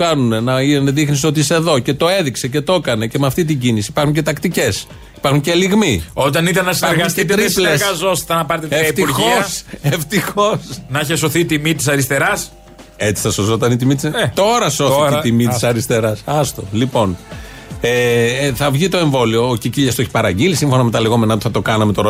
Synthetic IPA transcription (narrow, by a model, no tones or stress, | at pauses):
kɐnunenɐineðixniso̞t̪̬iiseðo̞ce̞t̪o̞e̞ðikse̞ce̞t̪o̞kɐne̞cemɐft̪it̪̬iɲɟinisipɐɾxuɲce̞t̪ɐkt̪ice̞s | i̥pɐɾxuɲceliɣmio̞t̪ɐnit̪ɐnɐsinɾɣɐstitt̪ɾisleskɐzosi̥θɐnɐpɐɾt̪eeɐipt̪iuɾʝxoɐseft̪ixo̞snɐiçeso̞θit̪imit̪isɐɾist̪e̞ɾɐs | e̞t͡si̥θɐsozo̞t̪ɐnit̪imit̪ist̪o̞ɾɐso̞θiit̪imit̪sɐɾist̪e̞ɾɐsɐst̪o̞lipo̞n | eθɐvʝit̪o̞e̞ɱvo̞lioːciciʎɐst̪oeçi̥pɐɾɐɟilisimɱfo̞nɐme̞t̪ɐleɣo̞me̞nɐot̪i̥θɐt̪o̞kɐnɐmet̪oɾo